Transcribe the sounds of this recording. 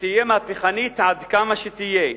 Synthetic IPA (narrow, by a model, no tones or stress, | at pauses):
t̪ijemeapiχanit̪ʕad̪kamaʃet̪ije